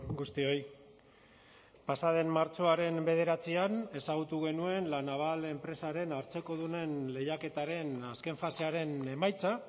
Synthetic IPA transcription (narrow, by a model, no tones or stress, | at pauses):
ɡust̪io̞j | pasað̞e̞mmaɾt͡so̞aɾe̞mbe̞ð̞e̞ɾat͡siane̞saɣ̞ut̪uɣ̞e̞nue̞nlanaβ̞ale̞mpɾe̞saɾe̞naɾt͡se̞ko̞ðune̞nle̞jake̞t̪aɾe̞naske̞ɱfaseaɾe̞ne̞majt͡sa